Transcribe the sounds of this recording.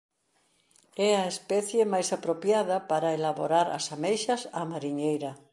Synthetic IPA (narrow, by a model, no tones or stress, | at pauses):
ɛɐespɛθjemajsapɾopjaðɐpaɾɐelaβoɾaɾɐ̰samejʃɐsamaɾiɲejɾɐ